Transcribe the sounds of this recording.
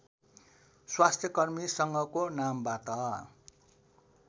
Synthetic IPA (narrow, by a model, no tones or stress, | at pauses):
swast̪ʰjʌkʌrmisʌŋɡʌkonambat̪ʌ